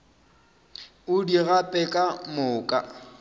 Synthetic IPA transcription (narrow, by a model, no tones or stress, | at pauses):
ʊdiɣapʼɛkʼamʊːkʼa